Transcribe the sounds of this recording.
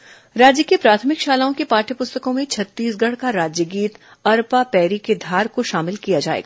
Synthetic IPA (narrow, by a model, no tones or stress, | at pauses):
ɾaːd͡ʒjəkepɾaːt̪ʰəmɪkʃaːlaːõkepaːʈʰəpʊst̪əkõmẽt͡ʃʰɐt̪ːiːsɡɐɽ̤kaɾaːd͡ʒjəɡiːt̪ | ɐɾpapɛːɾiked̪ʱaːɾkoʃaːmɪlkijad͡ʒaːḛːɡaː